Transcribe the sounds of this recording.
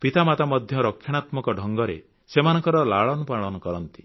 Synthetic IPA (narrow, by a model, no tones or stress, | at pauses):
pit̪amat̪amɔd̪ʱjɔɾɔkʰːjɔɽ̃at̪mɔkɔɖʱɔŋɡɔɾḛ | semanɔŋkɔɾɔlaɭɔnɔpaɭɔnɔkɔɾɔnt̪i̥